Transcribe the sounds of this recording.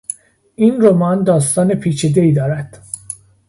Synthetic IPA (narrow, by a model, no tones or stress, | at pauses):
ʔiːnɾomɒːnd̪ɒːst̪ɒːne̞pʰiːt͡ʃʰid̪e̞iːd̪ɒːɾæd̪̥